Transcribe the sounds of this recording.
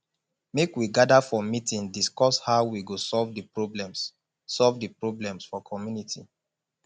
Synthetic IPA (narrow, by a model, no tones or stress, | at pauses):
mekwiɡadafɔmitĩŋdiskɔshaʊwiɡosɔlvdəpɹoblɛ̃ms | sɔlvdəpɹoblɛ̃msfɔkʰɔmjunitḭ